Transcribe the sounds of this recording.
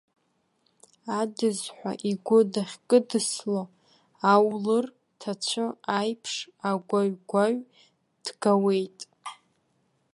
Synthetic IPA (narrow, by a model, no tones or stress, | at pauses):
adɨzħʷa̰ʔiɡʷʊdaχʲkʼɨdɨslo | awlɨr | tʰat͡ɕʷʰɨajpʰʂaɡʷaɥɡʷaɥ | d̥ɡawe̞jtʼ